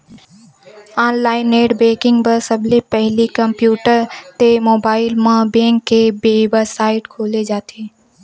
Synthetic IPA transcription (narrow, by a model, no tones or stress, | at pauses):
aːnlaːɪneːʈbeːkɪ̃ŋɡbəɾsəblepɛɦlikɐ̃mpjuːʈəɾt̪emoːbaːɪlmãbẽːŋkːebeːbəsaːɪʈkʰoːled͡ʒaːt̪ʰeː